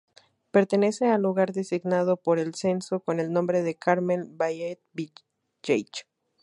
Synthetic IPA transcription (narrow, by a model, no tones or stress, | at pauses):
pe̞ɾt̪e̞ne̞se̞alːuɣaɾðe̞siɣnað̞o̞po̞ɾe̞lse̞nso̞ko̞ne̞lnõmbɾe̞ðe̞kaɾmẽnbajet̪̚bi | t͡ʃejt͡ʃ